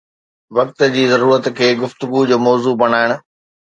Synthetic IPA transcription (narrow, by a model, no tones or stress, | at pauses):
ʋɐk̚t̪̆d͡ʑiːzɐɾuːɾət̪kʰeːɡʊft̪ʊɡud͡ʑoːmɔːzubɐɽ̃aːɪɽ̃ʊ̆